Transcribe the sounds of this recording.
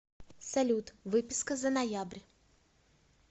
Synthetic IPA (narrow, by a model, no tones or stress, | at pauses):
sɐlʲut̪vɨpʲɪskəzənɐjabɾʲ